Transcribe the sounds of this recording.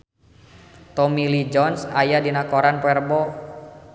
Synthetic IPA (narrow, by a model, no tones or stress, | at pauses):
t̪ɔmilid͡ʒɔnsajadinakoɾanpɛrbɔ